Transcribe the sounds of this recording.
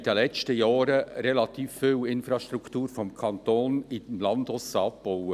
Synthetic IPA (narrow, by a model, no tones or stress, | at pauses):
d̥əlɛt͡stəjɑːɾəɾɛlɑt̪iːfːɪːwɪnfɾɑʃt̪ɾuktuːɾfɔmkʰɑnt̪oːnɪdmlɑnd̪ɔsəɑb̚b̥ɔwə